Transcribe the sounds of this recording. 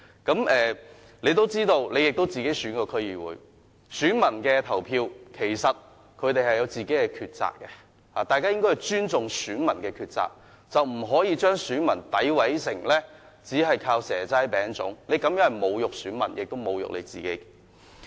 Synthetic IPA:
kɐ˨˥mɛː˨ | le˨˧jt̪o˥wt͡siː˥t̪o˧wle˨˧jɪ˨k̚t̪o˥wt͡siː˨ke˨˥jsyː˨˥nkɔː˧kʰɵ˥ɥjiː˨wṵː˨˥j | syː˨˥nmɐ˨˩nkɛː˧t̪ʰɐ˨˩wpʰiː˧wkʰe˨˩jsɐ˨t̚ | kʰɵ˨˧ɥt̪e˨jhɐ˨jɐ˨˧wt͡siː˨ke˨˥jkɛː˧kʰyː˧t̚t͡sa̰ː˨k̚kːɛ˧ | haː˨t̪aː˨jkaː˥jɪ˥ŋkɔ˥hɐ˨˩jt͡ʃyː˥nt͡sʊ˨ŋsyː˨˥nmɐ˨˩nkɛː˧kʰyː˧t̚t͡sa̰ː˨k̚ | t͡sɐ˨wm̩˨˩ɦɔː˨˥jiː˨˧t͡ʃœː˥ŋsyː˨˥nmɐ˨˩nt̪ɐ˨˥jwɐ˨˥jsɪ˨˩ŋlɛː˥ | t͡siː˨˥ɦɐ˨jkʰaː˧wsɛː˨˩t͡sɐ˥jpɛː˨˥ŋt͡sʊ̰˨˥ŋle˨˧jkɐ˨˥mjœː˥ŋhɐ˨˩mo˨˧wjʊ˨k̚syː˨˥nmɐ̰˨˩njʔɪ˨k̚t̪o˥wmo˨˧wjʊ̰˨k̚lḛ˨˧jt͡sḭː˨kḛ˨˥j

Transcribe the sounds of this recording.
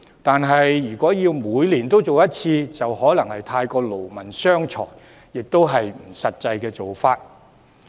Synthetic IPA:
t̪aː˨nɦɐ˨jːyː˨˩kʷɔː˨˥jiː˧wmuː˨˧˥jliː˨˩nt̪o˥wt͡so˨wjɐ˥t̚t͡sʰiː˧t͡sɐ˨whɔː˨˥lɐ˨˩ŋhɐ˨jt̪ʰaː˧jkɔː˧lo˨˩wmɐ˨˩nsœː˥ŋt͡ʃʰɔ̰ː˨˩jː | ɪ˨k̚t̪o˥wɦɐ˨jm̩˨˩sɐ˨t̚t͡sɐ˧jkɛː˧t͡so˨wfaː˧t̚

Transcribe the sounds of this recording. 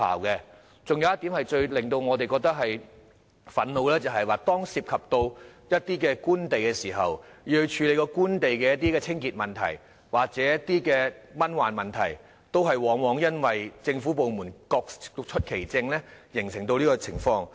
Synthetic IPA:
a̰ː˨˩wkɛ˧ | t͡sʊ˨ŋjɐ˨wjɐ˥t̪i˨˥mhɐ˨jt͡ʃɵ˧ɥlɪ˨ŋt̪o˧wŋɔː˨˧t̪e˨jkɔː˧k̚t̪ɐ˥k̚hɐ˨j | fɐ˨˥nlo˨˧wlɛː˥t͡sɐ˨wɦɐ˨jwaː˨t̪ɔː˥ŋsiː˧p̚kʰɐ˨p̚t̪o˧wjɐ˥t̚t̪iː˥kɛː˧kuː˥nt̪e˨jkɛ˧siː˨˩ɦɐ˨wjiː˧hɵ˧t͡ʃʰyː˨˧le˨˧jkɔː˧kuː˥nt̪e˨jkɛː˧jɐ˥t̚t̪i˥kɛː˧t͡sʰɪ˥ŋkiː˨t̚mɐ˨nt̪ʰɐ̰˨˩j | waː˨˩k̚t͡sɛː˨˥jɐ˥t̚t̪iː˥kɛː˧mɐ˥nwaː˨nmɐ˨nt̪ʰɐ̰˨˩j | t̪o˥wɦɐ˨jwɔː˨˥ŋwɔː˨˧˥ŋjɐ˥nwɐ˨jt͡sɪ˧ŋfuː˨˥po˨wmuː˨˩nkɔː˧k̚t͡ʃʰɵ˥t̚kʰe˨˩jt͡sɪ˧ŋlɛː˥jɪ˨˩ŋsɪ˨˩ŋt̪o˧wliː˥kɔː˧t͡sʰɪ˨˩ŋfɔː˧ŋ

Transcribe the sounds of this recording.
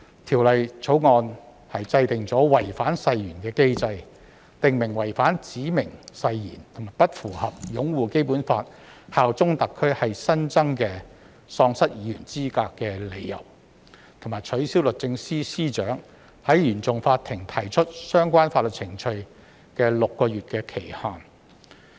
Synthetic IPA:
t̪ʰiː˨˩wlɐ˨jt͡sʰo˨˥wŋɔː˧n | hɐ˨jt͡sɐ˧jt̪ɪ˨˩ŋt͡sɔː˨˥wɐ˨˩jfaː˨˥nsɐ˧jjyː˨˩nkɛː˧ke˥jt͡sɐ˧j | t̪ɪ˨ŋmɪ˨˩ŋwɐ˨˩jfaː˨˥nt͡siː˨˥mɪ˨˩ŋsɐ˧jjḭː˨˩nt̪ʰʊ˨˩maː˨˩jpɐ˥t̚fuː˨˩hɐ˨p̚jʊ˨˥ŋwuː˨ke˥jpuː˨˥nfaː˧t̚haː˨wt͡sʊ˥ŋt̪ɐ˨kʰːɵ˥ɥhɐ˨jsɐ˥nt͡sɐ˥ŋkɛː˧ | sɔː˧ŋsɐ˥t̚jiː˨˥jyː˨˩nt͡siː˥kaː˧kːɛː˧le˨˧jjɐ̰˨˩w | t̪ʰmaː˨˩jt͡ʃʰɵ˨˥ɥsi˥wlɵ˨t̚t͡sɪ˧ŋsiː˥siː˥t͡ʃœː˨˥ŋ | hɐ˨˥jjyː˨˩nt͡sʊ˨ŋfaː˧t̪ʰɪ˨˩ŋt̪ʰɐ˨˩jt͡ʃʰɵ˥t̚sœː˥ŋkʷaː˥nfaː˧t̚lɵ˨t̚t͡sʰɪ˨˩ŋt͡ʃʰɵ˧ɥ | kɛː˧lʊ˨kːɔː˧ɥyː˨t̚kɛː˧kʰe˨˩jhaː˨˩n

